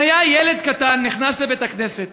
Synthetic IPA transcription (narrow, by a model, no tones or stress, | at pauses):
ajajeled̪kat̪anːiχnaslebet̪akneset̪̚